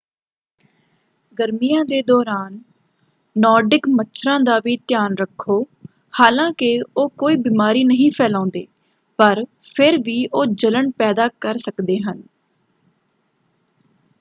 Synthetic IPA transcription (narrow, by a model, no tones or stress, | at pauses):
ɡəɾmijãːd̪eːd̪ɔːɾaːnː | ɔːɾɖɪkmətːʃʰɾãːd̪aːʋiːt̪jaːnɾəkʰːoː | haːlãːkɪoːkoːiːbiːmaːɾiːnəɦĩːpʰɛːlãːnd̪ḛː | pəɾpʰɪɾʋiːʔoːd͡ʒələɳpɛːd̪aːkəɾsəkd̪eːɦən